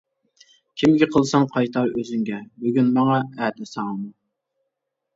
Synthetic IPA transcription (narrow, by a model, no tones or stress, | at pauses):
kʲʰimɡʲiqʰəlˠsɑŋqʰɑjt̪ʰɑɾøzyŋɡʲɛbyɡʲynmɑŋɑɛːt̪ɪsɑŋmu